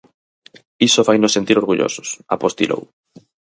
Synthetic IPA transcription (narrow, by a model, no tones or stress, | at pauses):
isofajnʊsːent̪iɾoɾɣuʎo̰sʊ̥sa̰post̪ḭlʔo̰w